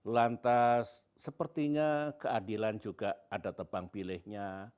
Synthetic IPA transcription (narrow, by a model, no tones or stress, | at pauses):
lant̪asː | əpərt̪iɲakəadiland͡ʒuɡaadat̪əpaŋpilɪhɲa